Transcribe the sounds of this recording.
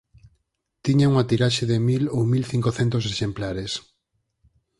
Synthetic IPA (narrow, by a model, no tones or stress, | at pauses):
t̪iɲauŋat̪iɾaʃeðɪmilowmilθiŋkoθɛnt̪oseʃemplaɾes